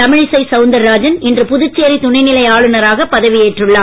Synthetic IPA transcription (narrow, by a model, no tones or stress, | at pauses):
ɐmɪɻɪsɐɪsɐʊnd̪ɐɾːaːd͡ʒɐnɛndrɯpʊðɯt͡ʃːeːɾit̪ʊɳɐɪnɪlɐɪaːɭɯnɐɾaːɣɐpːɐðɐʋɪjeːʈrɯɭːaːm